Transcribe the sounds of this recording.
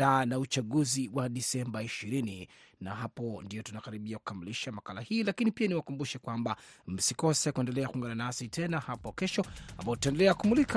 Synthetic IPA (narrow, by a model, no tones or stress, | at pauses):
aːnaut͡ʃaɠuziwaɗisɛmbaiʃiɾini | naɦapɔndiɔtunakaɾiɓiaku̥kamiliʃamakalahiːlakinipianiwakumbuʃɛkwambam̩sikɔsɛkuɛndɛlɛakuŋɡananasitʰɛnahapɔkɛʃɔa̰mbaɔutaɛndɛlɛakumulik